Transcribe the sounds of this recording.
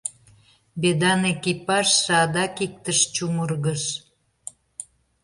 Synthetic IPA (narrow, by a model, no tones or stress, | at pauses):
bed̪ɑnekipɑʃsɑd̪ɑkik̚t̪əʃt͡ɕumərɣəʃ